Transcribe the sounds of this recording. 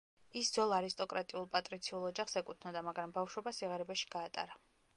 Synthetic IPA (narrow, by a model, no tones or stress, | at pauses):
isd̪zɔlˠaɾist̪ʼɔkʼɾat̪ʼiulˠpʼat̪ʼɾit̪sʰiulˠɔd͡ʒaχsɛkʼut̪ʰnɔd̪amaɡɾambafʃwɔbasiʁaɾɛbaʃi̥ɡ̥aːt̪ʼa̰ɾa